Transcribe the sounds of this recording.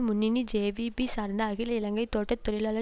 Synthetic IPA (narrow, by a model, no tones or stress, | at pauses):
mʊnːinid͡ʒeːʋibisaːɾnd̪aɐɣɪlɐɪlɐŋɡɐɪt̪oːʈːɐt̪ːɔɭɪlɐːlɐ